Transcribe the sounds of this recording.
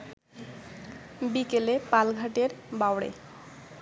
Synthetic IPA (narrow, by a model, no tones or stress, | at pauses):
bikelepalɡʱaʈeɾbawɽḛ